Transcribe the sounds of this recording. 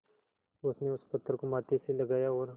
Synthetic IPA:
ʊsneʊspət̪ːəɾkomaːt̪eselɐɡaːjaɔːɾ

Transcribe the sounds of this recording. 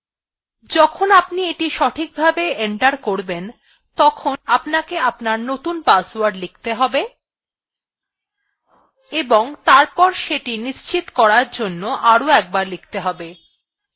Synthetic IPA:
d͡ʑɔkʰonapnieʈiʃɔʈʰik̚bʱabeeɳʈaɾkoɾben | t̪ɔkʰonapnakeapnaɾnot̪unpaswaɾɖlik̚ʰt̪eɦɔbe | eboŋt̪aɾpɔɾʃeʈiniʃt͡ɕit̪kɔɾaɾd͡ʑonːoʔaɾoɛk̚baɾlik̚ʰt̪eɦɔbe

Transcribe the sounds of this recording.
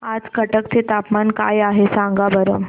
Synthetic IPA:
ad͡zkəʈəkt̪ʰet̪apmanka̰jaɦesãŋɡabəɾə

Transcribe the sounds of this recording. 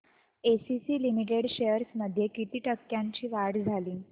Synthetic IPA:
esisiːlimiʈ̬eɽɕejəɾsməd̪ʱːjekit̪iːʈəkːjaɲt͡ɕiːʋaɽd͡zʱaliː

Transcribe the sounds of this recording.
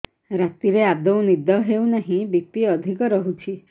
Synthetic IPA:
ɾat̪iɾead̪ɔw̃nid̪ʱɔɦewnaɦĩbit̪iɔd̪ʱikɔɾɔɦut͡ʃʰi

